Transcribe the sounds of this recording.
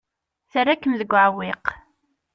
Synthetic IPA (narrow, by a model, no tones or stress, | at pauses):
θərːakːəmðəɡʷːʕwɪq